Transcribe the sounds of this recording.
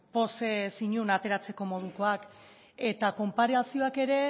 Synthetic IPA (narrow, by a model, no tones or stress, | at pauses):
po̞sesiɲunat̪e̞ɾat͡se̞ko̞mo̞ð̞uko̞ak | e̞t̪ako̞mpaɾesio̞ake̞ɾe̞